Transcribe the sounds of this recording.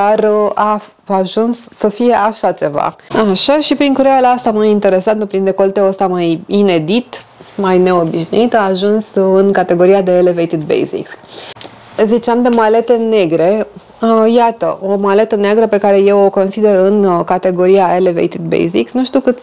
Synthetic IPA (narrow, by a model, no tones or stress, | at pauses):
d̪arʔa | aʒunsːəfije̞ʔaʃat͡ʃe̞va̰aʃaʃipɾiŋkuɾealaast̪amajint̪e̞ɾe̞sant̪əpɾind̪e̞ko̞lt̪eəst̪amajine̞d̪it̪majne̞o̞biʃnṵit̪aːʒunsɨnkat̪e̞ɡo̞ɾijad̪e̞ːlevejt̪id̪̚bḛjzḭks | zit͡ʃeamd̪e̞male̞t̪e̞ne̞ɡɾe̞ | jat̪ə̰ʔo̞male̞t̪əneaɡɾəpe̞kaɾe̞je̞wo̞ko̞nsid̪e̞ɾɨnkat̪e̞ɡo̞ɾijaelevejt̪id̪̚bḛjzḭksnuʃt̪ukɨt̪